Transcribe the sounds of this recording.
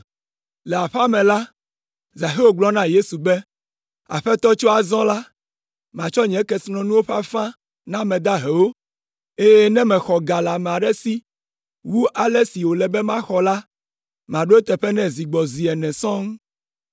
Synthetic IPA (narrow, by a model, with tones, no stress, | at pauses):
lɛ˨a˨ɸa˦mɛ̃˨la˦ | za˨ɦe˦wo˦ɡ͡blɔ˦nã˦je˦su˨bɛ˦ | a̰˨ɸɛ˦t̪ɔ˦t͡ʃo˦a˨zɔ̃˦la˦ | mã˨t͡ʃɔ˦ɲɛ̃˨˦kɛ˦snɔ̃˦nũ˦wo˦ɸa˦fã˦ | nã˦mɛ̃˨d̪a˦ɦɛ˨wo˦ | e˦jɛ˦nɛ̃˦mɛ̃˨xɔ˨ɡa˨la˨mɛ̃˨a˨ɖɛ˦si˦ | wu˦ʔa˨lɛ˦si˨wo˨lɛ˨bɛ˦mã˦xɔ˨la˦ | mã˨ɖo˦e˦t̪ɛ˨ɸɛ˦nɛ̃˦zi˨ɡ͡bɔ˨zi˨ɛ˨nɛ̃˨sɔ̃˦ŋ˦